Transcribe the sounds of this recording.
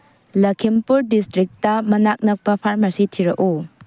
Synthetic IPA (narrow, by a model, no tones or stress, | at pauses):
lɐkʰimpuɾdistɾik̚tɐmɐnak̚nɐk̚pɐpʰaɾmɐsitʰiɾɐʔu